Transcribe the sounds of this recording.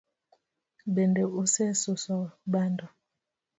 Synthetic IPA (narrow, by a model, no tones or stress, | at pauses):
bɛndɛosɛsosɔbandɔ